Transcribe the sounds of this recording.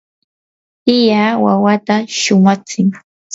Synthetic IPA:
t̪ɪjawawat̪aʃʊmat͡sɪŋ

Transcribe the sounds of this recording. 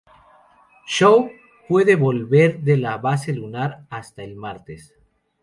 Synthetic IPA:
ʃow | pwe̞ðeβo̞lβe̞ɾðelaβaselunaɾast̪aelmaɾt̪es

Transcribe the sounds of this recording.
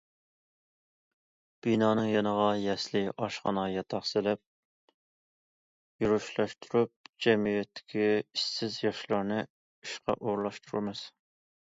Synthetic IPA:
b̥inɑːnɨŋjɑnəʁɑjɛslɪʔɑʃχɑ̰nɑjɛt̪ʰɑχsɨlɛp̚ | juɾuʃlˠɑʃt̪ʰuɾup̚d͡ʒɛmijɛt̪ʰːɪ̥kʲʰiisːɪzjɑʃlˠɑɾnɨ | yʃqɑ̰ʔoɾlˠɑʃt̪ʰuɾuɾmɨz̥

